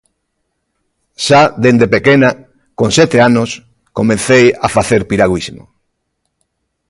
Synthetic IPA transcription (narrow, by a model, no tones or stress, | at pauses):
ʃaðend̪epekena | kõnsɛt̪eanos | komẽn̟θejafaθeɾpiɾaɣwizmo̰